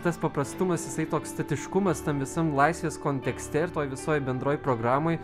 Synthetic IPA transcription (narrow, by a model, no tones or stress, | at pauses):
t̪ɐspɐpɾɐst̪ʊmɐsjɪsɐɪt̪oːkst̪ɐt̪ʲɪʃkʊmɐst̪ɐmʋʲɪsɐmlˠɐɪsʲʋʲeːskoːnʲt̪ʲɛksʲt̪ʲɛɪɾt̪oːjʋʲɪsoːjbʲɛnd̪ɾoːjpɾoːɡɾɑːmoːj